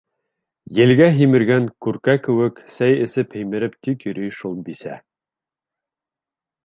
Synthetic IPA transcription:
jɘ̆lɡæɦimɘ̆ɾɡæŋkʉɾkækɘ̆wɘksæjɘ̆sɘphɘ̆jmɘ̆ɾɘp̚t̪ikjɵ̆ɾyjʃulˠbisæ̰

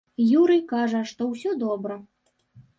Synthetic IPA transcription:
juɾɨkaʐɐʂt̪ɔwsʲɔd̪ɔbɾɐ

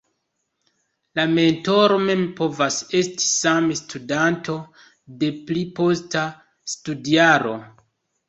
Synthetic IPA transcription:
lame̞nto̞ɾo̞me̞mpo̞vase̞sti̥samestudantʰo̞ | de̞plipo̞sta | studiaɾo̞̰

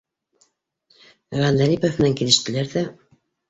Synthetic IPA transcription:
ʁɑnd̪æɾipofmɘ̆næŋkilɘ̆ʃt̪ɘ̆læɾðæ

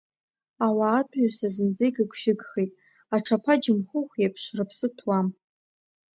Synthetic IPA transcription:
awaːtʰʼasazɨnd͡zejɡɨɡʷʰʃᶣɪɡχejtʼ | aʈ͡ʂʰapʰad͡ʒɪmχʊχʷjapʰʂrɨpʰsɨtʰwam

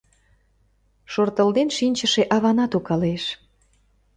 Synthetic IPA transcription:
ʃort̪əld̪enʃinʲt͡ɕəʃeʔɑβɑnɑt̪ukɑleʃ

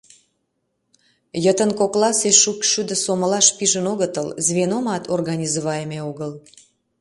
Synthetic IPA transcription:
jət̪ənkoklɑseʃukʃyd̪ə̆soməlɑʃpiʒənoɣət̪ə̰lzβenomɑt̪ʰorɣɑnʲizoβɑjəmeoɣəl

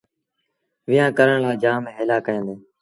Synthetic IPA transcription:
ʋɪjãːkəɾəɳlaːd͡ʒaːmẽːɦɪːlaːkəə̃nd̪eː

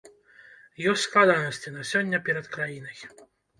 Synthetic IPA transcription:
jɔsʲt̪ʲsklˠad̪ɾɐnɐsʲt͡sʲinɐsʲɔnʲːɐpʲɛɾɐt̪kɾajinɐj

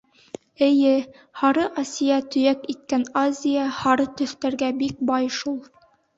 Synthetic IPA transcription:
ɘ̆jɘ | hɑɾɤʔasʲijɑt̪ɵ̆jækit̪̚kænazʲijahɑɾɤt̪ɵ̆θt̪æɾɡæbik̚bɑjʃulˠ

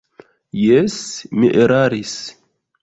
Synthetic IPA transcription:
jɛsmiʔeɾaɾis

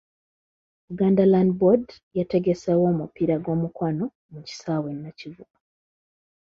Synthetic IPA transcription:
uɡaːndalandbod | jate̞ɡesawo̞ːmupiɾaɡo̞ːmukwano | muci̥saːwenːacivuku

